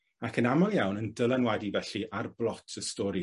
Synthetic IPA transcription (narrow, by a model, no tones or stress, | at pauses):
akʰənamɔlˠjawnəndəlˠanwadivɛɬiʔarblˠɔtʰəstɔɾi